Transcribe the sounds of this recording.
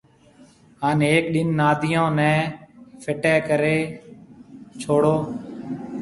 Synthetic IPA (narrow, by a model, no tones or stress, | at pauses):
ɦaːneːkɗɪnːaːd̪ʱɪjõːnɛ̃ːpʰɪʈɛːkəɾeː | t͡ʃʰoːɽoː